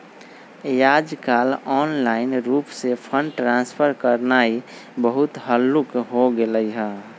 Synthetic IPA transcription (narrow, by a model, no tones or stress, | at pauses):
jad͡ʒkalɔːnlaɪnɾuːpsepʰəɳɖʈɾãnspʰəɾkəɾnai | bəɦʊt̪ɦəlːukɦoɡeləiɦɛ